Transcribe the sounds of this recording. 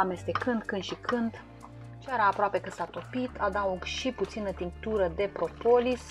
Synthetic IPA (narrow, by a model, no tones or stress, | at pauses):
ame̞st̪e̞kɨnd̪kɨnd̪ʃikʰɨnd̪ | t͡ʃeɾaːpɾoape̞kɨsat̪o̞pit̪ʰad̪aoʃiput̪sinət̪int̪uɾəd̪e̞pɾo̞po̞lis